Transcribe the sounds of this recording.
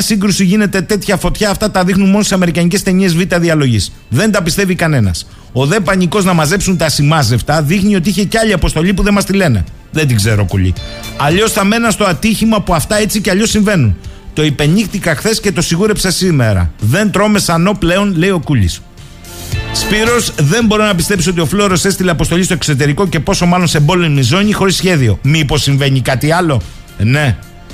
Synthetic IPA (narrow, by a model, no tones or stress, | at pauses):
ɐsiŋɡɾusiʝine̞t̪e̞t̪e̞t̪çɐfo̞t̪çɐːft̪ɐt̪ɐðixnunmo̞nossɐme̞ɾikɐɲice̞st̪eɲie̞zvit̪ɐðiɐlo̞ʝis | ðe̞nd̪ɐpist̪e̞vikɐne̞nɐ̰s | o̞ðe̞pɐɲiko̞znɐmɐze̞psunt̪ɐsimɐzeft̪ɐðixnio̞t̪iiçe̞ceɐʎiɐpo̞st̪o̞ʎipuðemɐst̪ile̞nḛ | ðed̪iɡze̞ɾo̞̰ko̰ʎḭɐʎo̞sθɐme̞nɐst̪o̞ɐt̪içimɐpuɐft̪ɐe̞t͡siceɐʎo̞siɱve̞nunt̪o̞ipe̞nixt̪ikɐxθe̞sce̞t̪o̞siɣuɾe̞psesime̞ɾɐ̰ðe̞nt̪ɾo̞me̞sɐno̞ple̞o̞nle̞io̞kuʎḭs | spiɾo̞sðe̞mbo̞ɾonɐpist̪e̞psio̞t̪io̞flo̞ɾo̞se̞st̪ileɐpo̞st̪o̞ʎʲist̪oe̞kso̞t̪e̞ɾiko̞ce̞po̞so̞mɐlo̞nsembo̞lemizo̞ɲixo̞ɾisçe̞ðio̞mipo̞sːiɱve̞ɲikɐt̪iɐlo̞ | ne̞